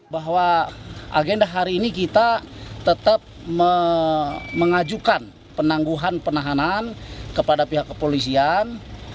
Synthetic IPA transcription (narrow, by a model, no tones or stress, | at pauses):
baɦwaʔa̰ɡɛndaɦaɾiːnikit̪at̪ət̪ap̚mə | məŋad͡ʒukan | pənaŋɡuɦanpənaɦanankəpadapiɦakːəpolis̬ian